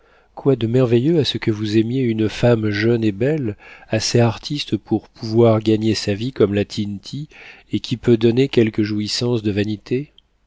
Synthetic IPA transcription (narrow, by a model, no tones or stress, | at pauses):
kwad̪əmɛʁvejøasəkəvuzɛmjeynfamʒœnebɛlaseaʁt̪ʰist̪pʰuʁpʰuvwaʁɡaɲesavikɔmlat̪ʰint̪ʰi | ekʲipød̪ɔnekʲɛlkəʒuisɑ̃sd̪əvanit̪ʰe